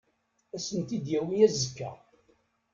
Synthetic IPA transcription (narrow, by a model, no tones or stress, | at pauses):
æsənt̪id̪jæwijæzːəkːæ̰